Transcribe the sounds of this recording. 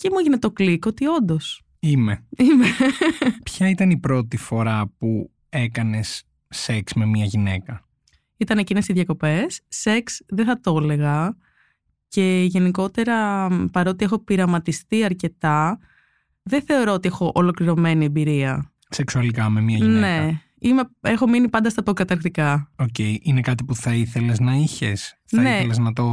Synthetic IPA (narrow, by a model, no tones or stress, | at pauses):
cemueʝinet̪o̞kliko̞t̪io̞nd̪o̞s | imeime | pçɐit̪ɐnipɾo̞t̪ifo̞ɾɐpu | e̞kɐne̞sː | eksme̞mɲɐʝine̞kɐ | it̪ɐne̞cinesiðʝɐko̞pe̞sːe̞ksðeθɐt̪o̞le̞ɣɐ | ce̞ʝe̞niko̞t̪e̞ɾɐpɐɾo̞ːt̪iexo̞piɾɐmɐt̪ist̪iɐɾce̞t̪ɐ | ðeθe̞o̞ɾo̞ot̪ie̞xo̞ʔolo̞kliɾo̞me̞nie̞biɾiɐ | se̞ksuɐlikɐme̞mɐʝinne̞ɐ | ime̞exo̞minipɐnd̪ɐst̪ɐpokɐt̪ɐɾkt̪ikɐoceiʔinekɐt̪ipuθɐiθe̞le̞znɐiçesθnɐeeleznɐt̪o̞